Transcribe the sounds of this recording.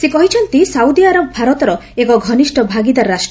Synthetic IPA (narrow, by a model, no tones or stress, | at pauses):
sekɔɦit͡ʃʰɔnt̪isawd̪iaɾɔbɔbʱaɾɔt̪ɔɾɔekɔɡʱɔniʃʈɔbʱaɡid̪aɾːaʃʈɔ